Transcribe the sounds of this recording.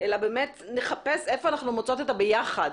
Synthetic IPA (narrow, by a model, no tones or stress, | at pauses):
ʔelabe̞ːme̞tne̞χape̞se̞foanaχnumot͡so̞t̪etabejaχad